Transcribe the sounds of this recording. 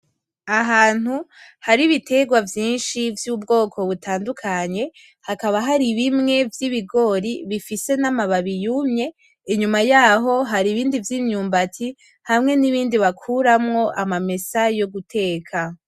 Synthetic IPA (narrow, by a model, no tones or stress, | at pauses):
aɦaːn̥huhaɾiβitʰe̞ɡwavjiːnʃivjuːbɡo̞ːkʰo̞βutaːndukʰaɲe̞ | hakaβaɦaɾiβimŋe̞vjiβiɡo̞ːɾiβifise̞namaβaβijumɲe̞ | iɲumajaːɦo̞ɦaɾiβiːndivjiːmɲuːmbatʰi | hamŋe̞niβiːndiβakʰuɾamŋo̞ʔamame̞sajo̞ɡutʰe̞ːkʰa